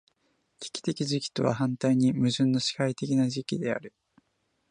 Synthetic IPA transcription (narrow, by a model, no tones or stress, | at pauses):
kʲi̥kʲi̥t̪e̞kʲiʑikʲi̥t̪o̞β̞a̰hãnt̪aiɲ̟imɯ̟ʑɨ̃nːo̞ɕi̥hait̪e̞kʲinaʑikʲid̪e̞a̰ɾɯ̟